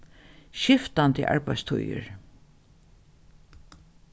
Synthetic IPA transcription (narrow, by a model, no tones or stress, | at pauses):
ʃɪft̪ant̪ɪ̰ʔa̰ɹpæjst̪ʰṵjə̰ɹ